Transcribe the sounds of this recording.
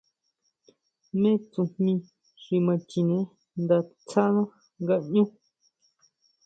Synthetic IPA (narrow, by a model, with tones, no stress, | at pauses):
mẽ˦t͡sũ˧hmĩ˧ | ʐi˧mã˧t͡ʃi˧nẽ˧˦ | nd̪a˧t͡sʰa˦nã˦ | ŋɡa˧ɲũ˦